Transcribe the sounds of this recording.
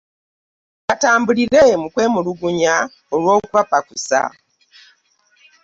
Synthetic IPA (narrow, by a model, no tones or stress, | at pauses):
kataːmbuliɾemukwe̞ːmuluɡuɲa | olwoːkuβapakusa̰